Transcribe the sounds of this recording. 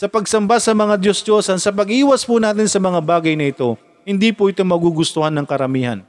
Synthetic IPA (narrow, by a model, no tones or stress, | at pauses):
sɐpɐɡsɐmbasɐmɐŋad̪josd̪o̞sɐnsɐp̬ɐɡʔiːwɐspʊnaːt̪̬ɪnsɐmɐŋabaːɡɐjnɐʔɪt̪o̞ | hɪnd̪iːpʊʔɪt̪oŋmɐɡuɡʊst̪ʊhanːɐŋkɐɾɐmiːhɐ̰n